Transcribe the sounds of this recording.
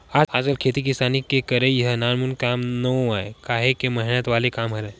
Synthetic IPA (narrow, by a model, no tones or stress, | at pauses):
aːaːd͡ʒəlkʰeːt̪ikɪsaːnikekɐɾẽjɐɦnaːɾmunkaːmnəõaːekaːɦekemɐɦɪnət̪ʋaːlekaːmɦɐɾe